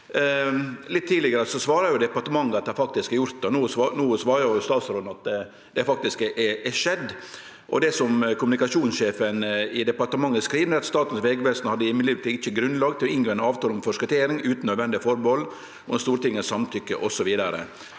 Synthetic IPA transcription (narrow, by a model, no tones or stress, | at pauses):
lɪt̪ʰːiːlɪɡəɾəsɔsʋɑːɾɑɾjʊd̪ɛpɑɾʈ̪əmɑŋːəɑt̪̚d̪ɛhɑɾfɑk̚t̪ɪskjʊɾt̪̚d̪ɛnuːsnuːsʋɑːɾɑɾjʊst̪ɑːt̪sɾoːd̪nɑt̪ | d̪ɛfɑk̚t̪ɪskɛʔɛɛʂɛd̪ː | ʔɔ̰d̪ɛsɔmkʰʊmʉnɪkɑʂuːnsʂeːfənɪd̪ɛpɑɾʈəmɑŋːəskɾiːʋənɛɾɑt̪st̪ɑːt̪n̩sʋɛːɡʋɛst̪n̩hɑd̪ːəjɪmːɪliːʋt̪ʰːɪçːəɡɾʉnlɑːɡt̪ʰɪlɔɪnɡoːɛnɑːʋt̪ʰɑːlŋfɔʂkɑt̪ʰeːɾɪŋʉːt̪n̩œːd̪ʋɛnd̪ɪfɔɾbɔl | ɔɛst̪uːɾt̪ɪŋːəsɑmt̪ʰʏkːəʔɔsɔʋiːd̪əɾə̰